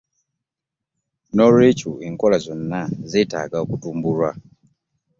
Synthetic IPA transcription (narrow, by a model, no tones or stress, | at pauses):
nɔɾet͡ʃuiŋkɔlazʷɔnːazɛta̰ɡakutumbulwa